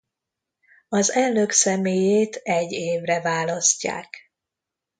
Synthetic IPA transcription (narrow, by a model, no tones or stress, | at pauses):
ɒzɛlːøksɛmeːjeːt̪ɛɟːeːvrɛvaːlɒscːa̰ːk